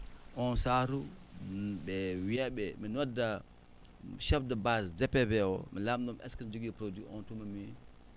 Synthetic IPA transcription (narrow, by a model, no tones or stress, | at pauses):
ɔnsaɾu | bɛwiabɛminwadːa | ʃafdabasdɛpːɛbɛwɔ̰milamdumʔɛ̰skind͡ʒuɡipɾodiʔɔntumami